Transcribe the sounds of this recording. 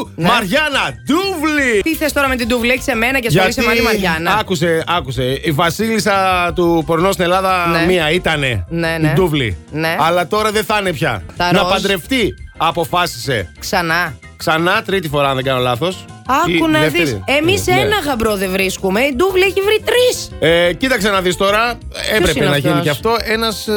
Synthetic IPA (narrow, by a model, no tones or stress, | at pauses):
mɐɾʝɐnɐd̪uvlit̪iθest̪o̞ɾɐme̞t̪̬id̪uvlieçi̥se̞me̞nɐcesʝɐçisemɐlimɐɾʝɐnɐɐkuse̞ɐkuse̞ivɐsilisɐt̪upoɾnost̪inelɐðɐnmiɐit̪ɐne̞neid̪uvlḭneɐlɐt̪o̞ɾɐðeθɐnepçɐ̰θɐɾnɐpɐnd̪ɾe̞ft̪iɐpo̞fɐsi̥se̞̰ksɐnɐ | ksɐnɐt̪ɾit̪ifo̞ɾɐnðeɡɐno̞lɐθo̞sɐikunɐeðemisenɐɣɐbɾoðevɾiskume̞id̪uvlieçivɾit̪ɾisecit̪ɐksenɐðist̪o̞ɾɐepɾepenɐʝiniceɐft̪o̞e̞nɐs